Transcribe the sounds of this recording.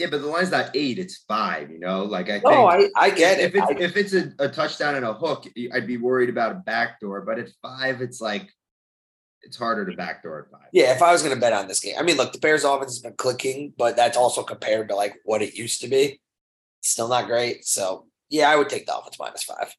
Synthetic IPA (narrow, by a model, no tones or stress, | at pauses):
jæbʌt̪̚ðəlwãɪ̃nzðəɾeɪɾɨtsfaɪvjɨnoʊlaɪkaɪkoʊaɪa̰ɪɡɛɾɪfaɪɪfɨtsɨətʰʌt͡ʃd̥ãʊ̃nɨ̃nəhʊkɨʔaɪd̚biwɜ˞iɾɨbaʊɾəbæk̚d̥ɔɹbʌɾɨtfaɪvɨtslaɪk | ɨtshɑɹɾə˞ɾɨbæ̰k̚d̥ɔ̰ɹɨtfa̰ɪv̥jæɨfaɪwʌzɡʌnɨbɛɾn̩ðɪsɡ̥ḛ̃ɪ̃ʔa̰ɪmĩnlʊk̚ðəbʰɛɹzɔfɨ̃nsɨzbɨ̃nkʰl̥ɪkɪ̃ŋb̥ʌt̪̚ðætsɔlˠsoʊkʰə̃m̩pʰɛɹd̚təlaɪkwʌɾɨʔjʉstɨbi | ɪtstɪlˠnət̚ɡ̥ɹeɪt̚soʊ | jæaɪwɨd̚tʰeɪk̚ðiɔ̰fə̃nsma̰ɪ̃nɨsfa̰ɪv̥